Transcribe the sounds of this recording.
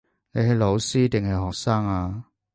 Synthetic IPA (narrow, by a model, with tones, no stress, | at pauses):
ne˨˧jɦɐ˨˧jlo˨˧wsiː˥t̪ɪ˨ŋhɐ˨jɦɔː˨k̚saː˥ŋaː˧